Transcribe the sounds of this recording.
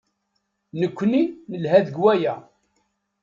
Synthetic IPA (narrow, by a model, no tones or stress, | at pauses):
nəkʷːninəlɦæðəɡwæjæ